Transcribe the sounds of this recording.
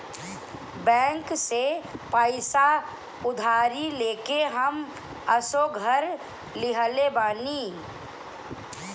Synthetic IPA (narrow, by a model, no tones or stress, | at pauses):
bɛ̃ːŋksepaːɪsa | ʊd̪ʱaːɾileːkeɦəm | əsoɡʱəɾ | lɪɦəlebaːni